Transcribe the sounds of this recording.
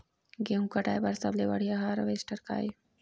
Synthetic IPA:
ɡeũkɐʈaːjbɐɾsɐblebɐɽ̤ijaɦaɾɐʋeːsʈɐɾka̰ːj

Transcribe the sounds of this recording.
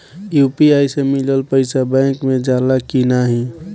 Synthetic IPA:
jupiajsemiləlpəɪsabɛ̃ːŋkmẽd͡ʒalakinaɦĩ

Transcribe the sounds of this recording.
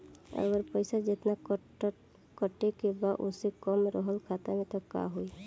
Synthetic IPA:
ə̰ɡəɾpəɪsad͡ʒet̪na | kəʈːekebaʔo̰sekɔmɾəɦəlkʰat̪amẽt̪ɔka̰ɦui

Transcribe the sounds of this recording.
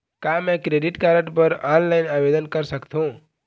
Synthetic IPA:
kamɛ̃kɾeɖiʈkaɾə̃ɳʈpəɾɔnlaɪnabed̪ənkəɾsəkt̪ʰũ

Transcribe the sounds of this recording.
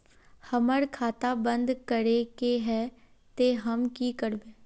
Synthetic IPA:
hɐməɾkʰaːt̪abə̃nd̪kəɾekeɦɛ | t̪eɦɐmkikəɾbẽː

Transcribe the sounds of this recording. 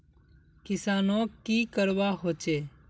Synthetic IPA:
kɪsaːnõːkiːkəɾʋaːɦoːt͡ʃeː

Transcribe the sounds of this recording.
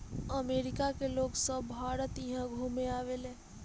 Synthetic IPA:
əmeːɾɪkakeloːɡsəbːʱaːɾət̪iɦãɡʱuːmeaːʋelẽː

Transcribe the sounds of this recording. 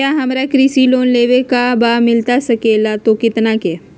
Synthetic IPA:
jaɦɐmɾakɾisiloːnleːʋekabamɪlt̪asɐkeːlat̪okɪt̪nake

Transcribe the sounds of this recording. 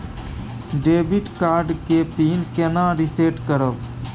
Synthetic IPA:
ɖeːbɪʈkaːɾɖkeːpiːnkenãːɾiseːʈkəɾəl

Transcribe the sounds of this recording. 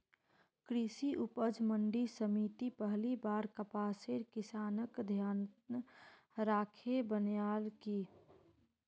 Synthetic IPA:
kɾisiʔʊpəd͡ʒməɳɖisəmiːt̪ipəɦlibaːɾkəpaːseɾkɪsaːnəkd̪ʱjaːn | ɾaːkʰebənjaːlki

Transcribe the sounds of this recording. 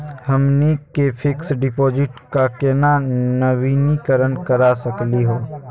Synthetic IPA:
həmnikepʰɪksɖɪpɔːd͡ʒɪʈkakɛːnanɐʋiːnikəɾənkəɾasəkliɦoː

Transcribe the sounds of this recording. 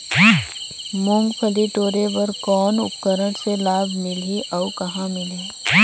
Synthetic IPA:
mʊ̃ŋɡpʰəliʈoːɾeʋɐɾkɔːnʊ̰p̚kəɾəɽ̃selaːbʱmɪlɦiʔɐukɐɦãmɪlɦẽː

